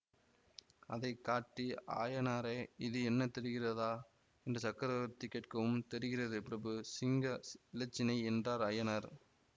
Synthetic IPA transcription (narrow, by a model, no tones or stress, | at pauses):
ɐðɐɪkːaːʈːia̰ːjɐnaːɾeːɪðɯɛnːɐt̪ɛɾɯɣɪrɐðaː | ɛndrɐsɐkːɐɾɐʋɐɾt̪ɪkːɐʈkɐʋɯmt̪ɛɾɯɣɪrɐðɯpɪɾɐbɯsɪŋɡɐɪlɐt͡ʃːɪnɐɪɛndraːɾɐjɐnɐɾ